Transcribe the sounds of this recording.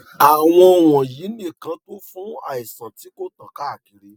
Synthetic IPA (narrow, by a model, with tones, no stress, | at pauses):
a˨w̃ɔ̃˧w̃ɔ̃˨ji˨˦nĩ˦˨kã˧to˦fũ˦a̰˨i˨sã˨ti˨˦ko˦tã˨ka˦˨ki˧ɾi˨˦